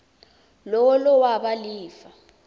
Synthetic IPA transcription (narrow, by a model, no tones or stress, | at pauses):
lɔlɔwaɓaliːfa